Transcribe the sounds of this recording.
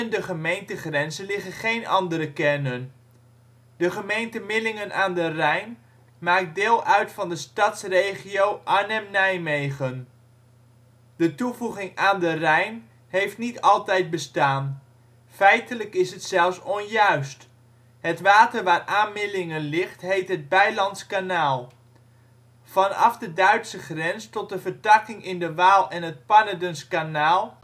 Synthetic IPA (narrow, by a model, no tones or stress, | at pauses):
ɛndəχəmejntəχrɛnzənlɪχənχejnɑndəɾəkɛɹnən | dəχəmejntəmɪlɪŋənʔaːndərɛjn | maːk̚dɪːlˠœɥtfɑndəstɑtsrejχiowʔanɛmnɛjmejχən | dətuvuχɪŋaːndərɛjn | ɦejftnitɑlˠtɛjd̚bəstaːn | fɛjtələkɪsɦətsɛlˠfsɔnjœɥst | ɦətʋaːtəɹʋaːraːnmɪlɪŋənlɪχtɦejtɦəd̚bɛjlɑntskanaːlˠ | vɑnɑ̰fdədœɥtsəχrɛnstɔt̚dəvəɹtɑkɪŋɪndəʋaːlˠɛnɦət̚pɑnadənskanaːlˠ